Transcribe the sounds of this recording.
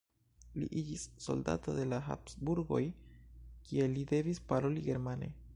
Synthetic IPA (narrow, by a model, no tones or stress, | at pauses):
lḭʔid͡ʒisːo̞̰lda̰tode̞laɦa̰psbuɾɡo̞̰j | kie̞lide̞vispaɾo̞liɡe̞ɾmane̞̰